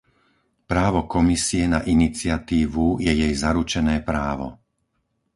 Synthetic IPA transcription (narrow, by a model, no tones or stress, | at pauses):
pɾaːʋɔkɔmisiɛnaʔinit͡sɪat̪iːʋujɛjɛjzaɾut͡ʃɛnɛːpɾaːʋɔ̰